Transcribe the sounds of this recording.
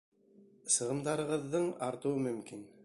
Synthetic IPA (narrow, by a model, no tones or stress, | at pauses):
sɤ̆ʁɤ̆md̪ɑɾɤ̆ʁɤ̆ðːɤɴɑɾt̪ɤ̆wɤmɵ̆mkin